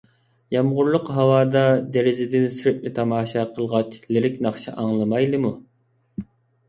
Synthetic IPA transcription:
jɑmʁʊɾlˠʊqɦɑwɑːd̪ɑd̪eɾɪzɪd̪ɪnsyɾɪp̚nɪt̪ʰɑmɑːʃɑqʰəlˠʁɑt͡ʃlɪɾɪkʲnɑχʃɑ̰ʔɑŋlˠɨmɑjlˠɨmu

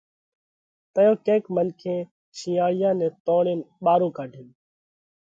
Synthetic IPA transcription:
t̪əjõːkẽːkmənkʰẽː | t͡ʃʰĩːaːɽɪjãːnɛːt̪oːɳeːnɓaːɾõːkaːɖʱɪːn

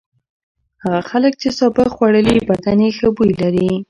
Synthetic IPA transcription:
haɣaxalək̚t͡ʃesɑbəxwaɽəlibad̪anexəbujlaɾi

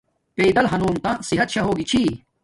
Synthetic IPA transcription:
peːd̪ɐlɦɐnuːmt̪ãsiɦɐt̪ɕɐɦoːɡit͡ɕʰi

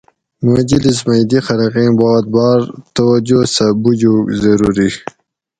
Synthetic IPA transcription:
md͡ʒilis̬majd̪ixaɾaqĩbɑd̪̚bɑɾt̪awad͡ʒosabud͡ʒozaɾuɾi

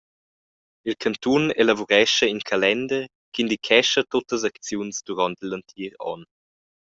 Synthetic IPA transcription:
ilkʰant̪unelavuɾɛʃəiŋkʰalɛnd̪ə | kind̪ikʰɛʃɐt̪otəzakt͡sjunsduɾɔntlɐntʰiːɾɔ̰n

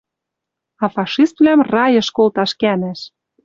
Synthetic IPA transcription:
ɑfɑʃist̪vlæmrɑjə̆ʃkolt̪ɑʃkænæʃ

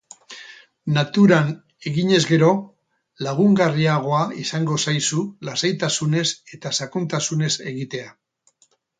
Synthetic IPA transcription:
nat̪uɾan | e̞ɣiɲe̞zɡe̞ɾo̞ | laɣ̞uŋɡariaɣ̞o̞aisaŋɡo̞sajsulasajt̪asune̞se̞t̪asakunt̪asune̞se̞ɣit̪e̞a

